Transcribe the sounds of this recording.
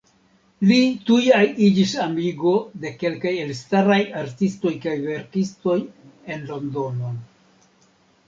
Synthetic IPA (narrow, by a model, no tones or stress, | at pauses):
litujajid͡ʒisamiɡo̞de̞ke̞lkaje̞lstaɾajaɾtisto̞jkajve̞ɾkisto̞je̞nlo̞ndo̞no